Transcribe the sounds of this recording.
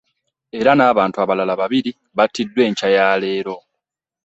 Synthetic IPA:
e̞ɾanaːβaːntuaβalalaβaβiɾi | βatːidːwe̞ːɲcajaːle̞ːɾo̞

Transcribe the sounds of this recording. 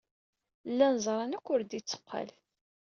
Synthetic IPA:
lːænəzˤɾˤɑnækʷːʊɾd̪it͡sːə̥qʰːə̰l

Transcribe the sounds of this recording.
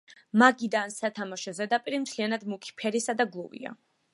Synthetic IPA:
maɡid̪ansat̪ʰamaʃɔzɛd̪apʼiɾimt̪ʰlianad̪mukʰi̥pʰɛɾisad̪aɡlˠuvḭa̰

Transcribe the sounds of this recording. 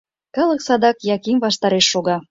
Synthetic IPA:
kɑləksɑd̪ɑkjɑkimβɑʃt̪ɑɾeʃːoɣɑ

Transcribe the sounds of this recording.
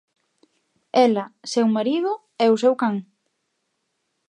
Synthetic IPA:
ɛlɐsewmaɾiðʊ | ɛʊsewkaŋ

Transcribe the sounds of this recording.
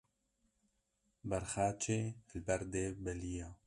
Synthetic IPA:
bɛɾxaːt͡ʃʰeːlbɛɾd̪eːbɛlijaː

